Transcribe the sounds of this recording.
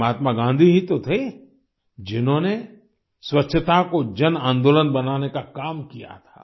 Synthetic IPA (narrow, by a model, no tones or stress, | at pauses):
aːt̪maɡãːnd̪ʱiɦĩt̪ot̪ʰe | d͡ʒɪnɦõne | swətːʃʰət̪akod͡ʒənãːnd̪oːlənbɐnaːnekakaːmkija̰t̪ʰa̰ː